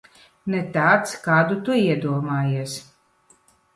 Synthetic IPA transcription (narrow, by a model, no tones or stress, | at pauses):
nɛt̪aːt̪skaːd̪ut̪uiɛd̪uɔmaːjeɛs